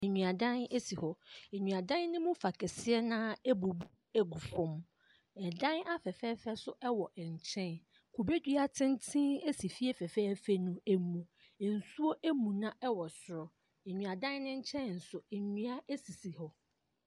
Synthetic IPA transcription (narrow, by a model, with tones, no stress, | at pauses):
ɲũ˨a˨dã˦ne˦si˨hɔ˨e˨ɲũ˨a˨dã˦nːɪ̃˦mʊ̃˦fa˨kʰɛ˨sɪ˦ɛ˦nã˦ɛ˦bu˨bu˦ | e˨ɡu˨fɔ̃˦m | ɛ˨dã˦na˦fɛ˨fɛ˦fɛ˦sʊ˦ʔɛ˦wɔ˨ɛ˨ɲ̩˨t͡ɕʰɛ̃˦˨n | kʰu˨be˦dɥa˨tʰɪ̃˦n˦tʰĩ˦e˦si˨fi˦ɛ˦fɛ˨fɛ˦fɛ˦nũ˨e˨mũ˨ | n̩˨su˦o˦ʔe˦mũ˨nã˦ʔɛ˦wɔ˨sʊ˨ɾɔ˨ | ɛ˨ɲũ˨a˨dã˦nːɪ̃˦ɲ̩˦t͡ɕʰɛ̃˦n˨n̩˨sʊ˨ɛ˨ɲũ˦a˦e˦si˨si˨hɔ˨